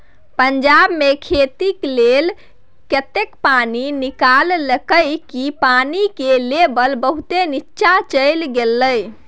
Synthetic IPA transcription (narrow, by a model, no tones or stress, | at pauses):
pəɲd͡ʒabmekʰet̪iklel | kət̪ekpaninikalːəkəjkipanikelebəlbəɦut̪enitːʃat͡ʃəjlɡelːəj